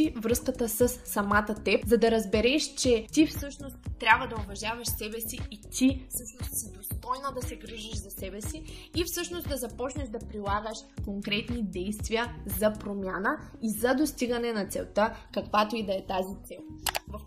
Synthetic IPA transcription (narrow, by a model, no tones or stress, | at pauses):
ivɾɤskət̪əsəsːɐmat̪ət̪ɛpzɐd̪ɐɾɐzbɛɾɛʃt͡ʃɛt̪ifsɤʃnost̪t̪ːɾʲabvəd̪ɐovɐʒavɐʃsɛbɛsiːt̪ʰisəʃnoid̪ost̪ɔjnod̪ɐsɛɡɾiʒiʃzɐsɛbɛsiifsɤʃnosd̪ɐzɐpɔt͡ʃnɛʒd̪ɐpɾilˠaɡəʃkoŋkɾɛt̪nid̪ɛjst̪viəzɐpɾomʲjanəizɐd̪ost̪iɡɐnɛnɐt̪sɛ̰lˠt̪akɐkvat̪oid̪ɐɛt̪azit̪sɛlˠvɐf